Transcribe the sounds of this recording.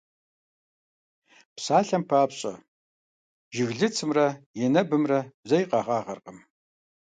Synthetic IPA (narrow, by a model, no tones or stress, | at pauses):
psaːɬɐmpʰaːpɕʼɐ | ʒɪɣɮɨt͡sʰɨmrɐjɛnɐbɨmrɐzɐjqɑːʁɑːʁɐrqʼəm